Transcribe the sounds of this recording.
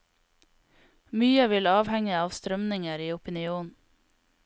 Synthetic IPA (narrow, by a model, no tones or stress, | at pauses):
myːəʋɪlɑːʋhɛŋəɑːʋst̪ɾœmnɪŋəɾiːʊpɪnɪuːn